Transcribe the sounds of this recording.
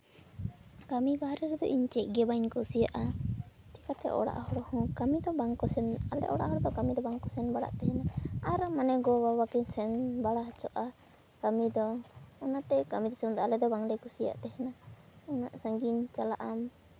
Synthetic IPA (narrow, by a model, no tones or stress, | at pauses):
kamibaɦaɾɛɾɛd̪ɔ̰ʔiɲt͡ʃɛc̚ˀɡɛbaɲkɔsijaʔa | t͡ʃɛkat̪ɛ̰ʔɔ̰ɽa̰ʔhɔɽɔhɔ̃kamid̪ɔbaŋkɔsɛnalɛ̰ʔɔɽa̰ʔhɔɽɔd̪ɔkamid̪ɔbaŋkɔsɛnbaɽa̰ʔt̪ɛɦɛnaaɾmanɛɡɔwawakiɲsɛnbaɽaɦat͡ʃɔʔa | kamid̪ɔːnaʔt̪ɛkamid̪ɔsɛmd̪ɔalɛd̪ɔbaŋɖɛkusija̰ʔt̪ɛɦɛna | ɔna̰ʔsaŋɡiɲt͡ʃalaʔam